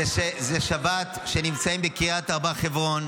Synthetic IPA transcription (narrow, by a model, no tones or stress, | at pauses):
eʃezeʃabat̪ʃe̞nimt͡saimbekiat̪aʁbaχevʁo̞n